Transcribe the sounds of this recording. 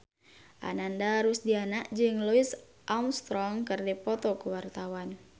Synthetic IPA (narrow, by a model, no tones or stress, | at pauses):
ʔa̰nandaɾusdianaʔd͡ʒɨŋluis | ʔamst̪ɾɔŋkɨrdipɔt̪ɔkuwart̪awan